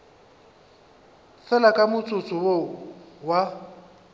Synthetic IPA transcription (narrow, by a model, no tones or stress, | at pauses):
fɛlakʼamʊt͡sʼʊt͡sʼʊowa